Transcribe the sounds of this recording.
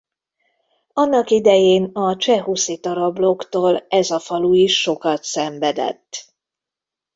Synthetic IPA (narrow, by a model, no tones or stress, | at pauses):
ɒnːɒkid̪ɛjeːnɒt͡ʃɛɦusit̪ɒɾɒblokt̪oːlɛzɒfɒluiʃːo̞kɒt̪sɛɱvɛd̪ɛ̰t̪ː